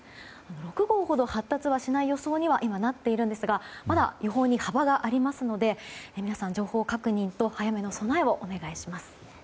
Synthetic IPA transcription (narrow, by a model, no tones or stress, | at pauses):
ano̞ɾo̞kɯ̟ɡo̞ːho̞d̪o̞hat̪ːat͡sɨβaɕinaijo̞so̞ːɲ̟iβaʔimanat̪ːe̞iɾɯ̟̃nd̪e̞sɨɡamad̪a̰jo̞ɦo̞ːɲ̟ihabaɡaʔaɾʲimasɨno̞d̪e̞mʲinasãɲ̟d͡ʑo̞ːho̞ːkakɯ̟ɲ̟ĩnt̪o̞hajame̞no̞so̞naeo̞ʔone̞ɡaiɕimasɨ̥